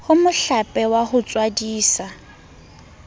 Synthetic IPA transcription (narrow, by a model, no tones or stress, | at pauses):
hʊmʊɬapʼɛwahʊt͡sʼwadiːsa